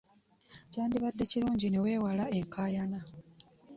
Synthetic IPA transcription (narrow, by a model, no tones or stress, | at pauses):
caːndiβadːe̞ciluːɲɟine̞we̞ːwalae̞ŋkʰaːjana